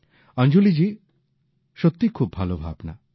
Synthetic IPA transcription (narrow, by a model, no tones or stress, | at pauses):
ʌnd͡ʒulid͡ʒi | ʃɔt̪ːikʰub̚bʱalobʱa̰bna̰